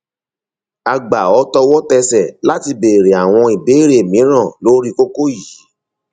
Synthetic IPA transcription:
a˧ɡ͡ba˨ɔ˨˦tɔ˧wɔ˦tɛ˧sɛ˨la˦ti˧be˨ɾe˨a˨w̃ɔ̃˧i˨be˨˦ɾe˨mĩ˨˦ɾ̃ã˦˨lo˦ɾi˦ko˦ko˦ji˨˦

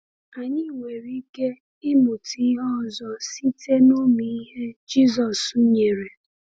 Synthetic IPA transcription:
a˨ɲɪ˦˨ŋʷe˨ɾi˦ke˦ | ɪ˦mu˨ti˦ɦɔ˦zɔ˨si˦te˦no˦mi˨i˦ɦe˦d͡ʒi˦zɔ˨su˦ɲe˨ɾe˨

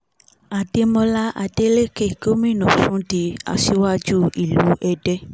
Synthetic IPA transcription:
a˨de˧mɔ̃˧la˦ʔa˨de˧˦le˦ke˦˨ko˦mĩ˦˨nɔ̃˨sũ˦di˧˦a̰˨si˧˦wa˦d͡ʒu˦i˨lu˨˦ɛ˧dɛ˦

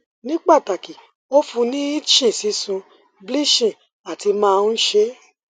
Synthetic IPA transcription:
nĩ˦k͡pa˦˨ta˨ki˨ | o˦fũ˧nĩ˦i˦t͡ʃĩ˦˨si˨˦sũ˧ | bli˦˨ʃĩ˦˨ | a˨ti˧mãː˦˧n̩˦ʃe˧˦

